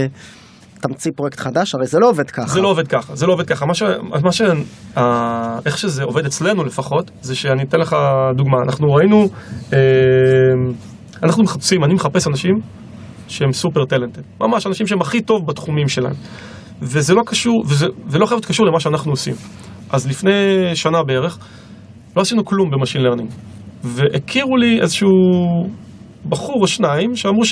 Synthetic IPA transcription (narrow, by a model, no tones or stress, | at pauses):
t̪amt͡sipʁojekt̪χadaʃaʁejzeloove̞d̪kazelo̞oved̪̚kaχazelooved̚kaχamaʃea̰maʃeae̞χʃe̞ze̞o̞ve̞d̪e̞t͡sle̞nule̞faχo̞t | zeʃeanit̪enle̞χad̪uɡmaːnaχnuʁainue | m | anaχnumeχapsimanimeχape̞sanaʃim | ʃeemsupeʁt̪elent̪emmʔa̰maʃanaʃimʃeemaχito̞vbat̪χumimʃe̞la̰ḛm | vezelo̞kaʃuʁvezevelo̞χajavot̪kaʃuʁlemaʃeanaχnuosḭm | ʔazlifne̞jʃanabeeʁe̞χ | loasinuklumbe̞maʃinleʁniŋɡ | veʔekʰiʁuliezeʃuu | baχuʁaʃnaimʃeamʁuʃ